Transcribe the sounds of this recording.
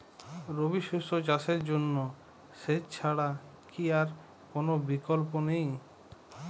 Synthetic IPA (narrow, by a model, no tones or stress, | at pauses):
ɾobiʃoʃot͡ɕaʃeɾd͡ʑonːo | ʃet͡ɕʰaɽakiaɾ | konobikolponej